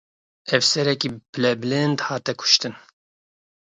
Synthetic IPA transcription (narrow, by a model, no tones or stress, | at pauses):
ɛvsɛɾɛkiːpɨlɛblɛnd̪hɑːt̪ɛkʰʊ̥ʃt̪ɨn